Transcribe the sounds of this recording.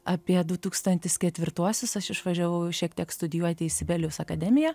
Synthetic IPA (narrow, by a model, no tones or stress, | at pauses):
ɑːpʲiɛd̪ʊt̪uːkst̪ɐnʲt̪ʲɪskʲɛt̪ʲʋʲɪɾt̪uɔsʲʊsɐʃɪʃʋɐʒʲɛʋɐʊʃʲiɛk̚t̪ʲiɛkst̪ʊd̪ʲɪjuɔt̪ʲɪɪsʲɪbʲɛlʲjʲɛʊsɐkɐd̪ʲɛmʲɪjɛ